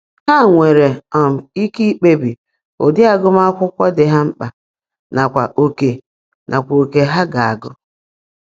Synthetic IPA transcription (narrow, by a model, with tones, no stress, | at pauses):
ha˦˨ŋʷe˨ɾe˨ɔ˨m̩˨i˦ki˦i˦k͡pe˦bi˨ | o̰˨dɪ˦a˦ɡʊ˦m˦a˦kʷʊ˦kʷɔ˦dɪ˨ɦa˦m̩˦k͡pa˨ | na˨kʷa̰˨ʔo˨ke˨ | nʔa˨kʷa˨o˨ke˨ɦa˦ɡa˨a˨ɡʊ˦